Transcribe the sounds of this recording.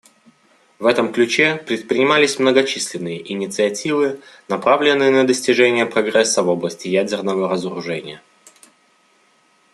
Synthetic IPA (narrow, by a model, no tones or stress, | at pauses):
vɛt̪əmklʲʉt͡ɕepɾʲɪt̪̚pɾʲɪnʲɪmalʲɪsʲmnəɡɐt͡ɕisʲlʲɪnːɨjəʔɪnʲɪt̪sɨɐtʲivɨnɐpɾavlʲɪnːɨjənəd̪əsʲtʲɪʐɛnʲɪjəpɾɐɡɾɛsːəvo̞blˠəsʲtʲɪjædʲɪrnəvəɾəzəɾʊʐɛnʲɪ̰jə